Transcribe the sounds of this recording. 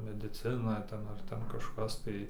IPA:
mʲɛdʲɪˈt͡sʲɪnɐ ˈtʲɛn ɐr ˈtʲɛn kɐʃˈkɐs tɐɪ

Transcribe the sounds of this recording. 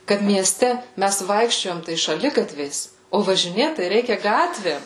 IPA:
kɐt mʲiɛˈsʲtʲɛ ˈmʲæs ˈʋɐɪkʃʲt͡ʃʲoːjɛm tɐɪ ʃɐˈlʲɪɡɐtʲʋʲɛɪs oː ʋɐʒʲɪˈnʲeːt tɐɪ ˈrʲɛɪkʲɛ ˈɡɑːtʲʋʲeːm

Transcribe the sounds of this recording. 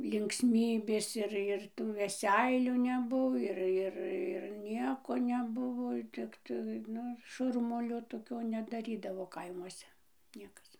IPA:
lʲɪŋksʲˈmʲiːbʲeːs ɪr ɪr tuː ʋʲɛˈsʲɛɪlʲuː nʲɛˈbuɔ ɪr ˈɪr ɪr ˈnʲiɛkoː nʲɛˈbʊʋoː ˈtʲɪktɐɪ ˈnʊ ˈʃʊrmʊlʲoː toːˈkʲoː nʲɛdɐˈrʲiːdɐʋoː ˈkɐɪmuɔsʲɛ ˈnʲiɛkɐs

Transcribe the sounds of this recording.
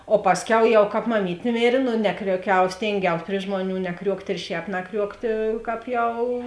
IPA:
oː ˈpɑːsʲˌkʲɛʊ jɛʊ ˈkɑːp mɐˈmʲiːtʲeː ˈmʲeːrʲeː noː ˈnʲæːkrʲuɔˌkʲɛʊ ˈsʲtʲeːŋʲɡʲɛʊs pʲrʲɪ ˈʒmuɔˌnʲuː nʲɛˈkrʲuɔktʲ ɪr ˈʃʲɛːp nɐˈkrʲuɔktʲeː ˈkɑːp ˈjɛʊ

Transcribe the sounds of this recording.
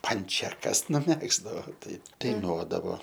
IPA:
ˈpɐnʲt͡ʃʲɛkɐs nʊˈmʲæːɡzdɐʋoː ˈtɐɪ dɐɪˈnuɔdɐʋoː

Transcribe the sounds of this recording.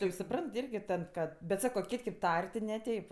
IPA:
tɐɪ jɛʊ sʊˈprɐnt ˈɪrʲɡʲɪ ˈtɐt ˈkɐt bʲɛt ˈsɑːkoː ˈkʲɪtʲ kʲeː p ˈtɐrʲ tʲɪ nʲɛˈtʲɛɪp

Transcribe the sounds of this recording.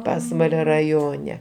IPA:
ˈpɑːsʋɐlʲoː rɐˈjoːnʲɛ

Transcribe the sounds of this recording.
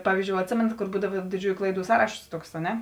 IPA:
ˈpɑːʋʲiːzʲˌd͡ʒʲoːʊ ɐtʲˈsʲeːmʲɛnɐt koːr ˈbuːdɐʋɐ dʲɪˈd͡ʒʲuːjʊ ˈklˠɐɪˌduː ˈsɑːrɐʃoːs ˈtuɔks ɐ ˈnʲɛ

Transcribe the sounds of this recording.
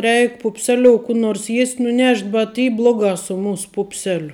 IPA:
ˈrʲɛɪk pʊpʲˈsʲæːlʲoːʊ kuː ˈnoːrs ˈjiɛsʲtʲ nʊˈnʲɛʃʲtʲ bʲɛt ˈiː ˈblˠoːˌɡɑː sʊ ˈmuːs ˈpuːpʲsʲɛlʲoː

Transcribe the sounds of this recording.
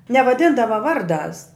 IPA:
nʲɛʋɐˈdʲɪndɐʋɐ ˈʋɐrˌdɑːs

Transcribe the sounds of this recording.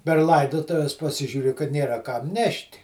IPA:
pʲɛr ˈlˠɐɪdoːtʊʋʲɛs pɐˈsʲɪʒʲʊrʲɪ kɐt ˈnʲeːrɐ kɐm ˈnʲɛʃʲtʲ

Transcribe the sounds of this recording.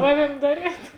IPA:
ˈɑːˌʋʲiɛm ˈdɑːˌrʲiɛt

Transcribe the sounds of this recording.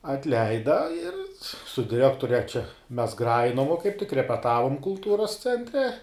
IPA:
ɐtʲˈlʲɛɪdɐ ɪr sʊ dʲɪˈrʲæːktʊrʲɛ t͡ʃʲɛ mʲɛs ˈɡrɑːjɪnoːm ʋoː kɐɪp tʲɪk rʲɛpʲɛˈtɑːʋoːm kʊlˠˈtuːroːs t͡sʲɛnʲˈtʲrʲɛ

